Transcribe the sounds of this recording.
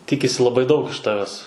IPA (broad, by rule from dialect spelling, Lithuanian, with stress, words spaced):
ˈtʲɪkʲɪsʲɪ lˠɐˈbɐɪ dɐʊk ɪʃ ˈtɑːʋʲɛs